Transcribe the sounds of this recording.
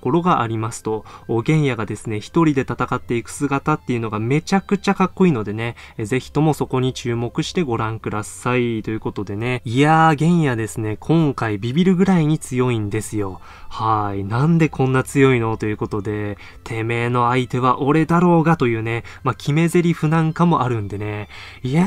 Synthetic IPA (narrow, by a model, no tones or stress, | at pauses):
ko̞ɾo̞ɡaʔaɾʲimasɨ̥t̪o̞ːɡẽ̞ɰ̃jaɡad̪e̞sɨne̞çi̥t̪o̞ɾʲid̪e̞t̪at̪akat̪ːe̞ikɯ̟̥sɨɡat̪at̪ːe̞iɯ̟no̞ɡame̞t͡ɕakɯ̟t͡ɕakakːo̞iːno̞d̪e̞ne̞ | ze̞çi̥t̪o̞mo̞so̞ko̞ɲ̟it͡ɕɨːmo̞kɯ̟ɕi̥t̪e̞ɡo̞ɾãŋkɯ̟d̪asait̪o̞jɯ̟ko̞t̪o̞d̪e̞ne̞ijaɡẽ̞ɰ̃jad̪e̞sɨne̞kʰõ̞ŋkaibʲibʲiɾɯ̟ɡɯ̟ɾaiɲ̟it͡sɨjo̞ĩnd̪e̞sɨjo̞ | hainãnd̪e̞kʰõ̞nːat͡sɨjo̞ino̞t̪o̞jɯ̟ko̞t̪o̞d̪e̞ | t̪ʰe̞me̞ːno̞ait̪e̞βaʔo̞ɾe̞d̪aɾo̞ːɡat̪o̞jɯ̟ːne̞makʲʰime̞zeɾʲiɸɯ̟nãŋkamo̞ʔaɾɯ̟̃nd̪e̞ne̞ | ia